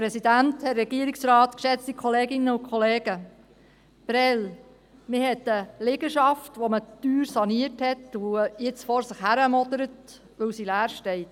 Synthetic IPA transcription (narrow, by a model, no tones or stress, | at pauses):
pɾɛsidænthɛɾɛɡiəɾiksɾɑːt̪kʃɛt͡stikʰχɔleːɡɪnːəʊkʰχɔleːɡ̥ə | b̥ɾɛl | mɪhɛtəlɪɡəʃɑftʋomətyːɾsɑniəthɛtujɪt͡sfɔɾsɪχhæɾəmɔd̪əɾət | ʋɵwsilæːɾʃtɛɪt